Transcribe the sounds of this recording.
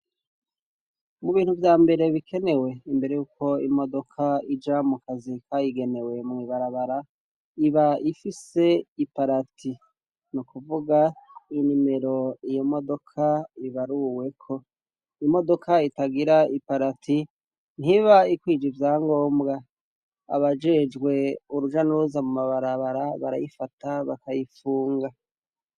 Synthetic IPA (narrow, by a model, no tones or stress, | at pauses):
muβiːn̥huvjaːmbe̞ɾe̞βikʰe̞ne̞we̞imbe̞ɾejuːko̞imo̞do̞kʰaid͡ʒamukʰazikʰajiɡe̞ne̞we̞mŋiːβaɾaβaɾa | iβaifise̞ipaɾatʰi | nukuvuɡainime̞ɾo̞ijomo̞do̞kʰaiβaɾuwe̞kʰo̞ | ijomo̞do̞kʰaitaɡiɾaipaɾatʰi | n̥iβaikwiːd͡ʒivjaːŋɡo̞ːmbɡa | a̰βad͡ʒe̞d͡ʒɡwe̞uɾuʒanuɾuzamumaβaɾaβaɾaβa̰ɾa̰jifataβakajifuːŋɡa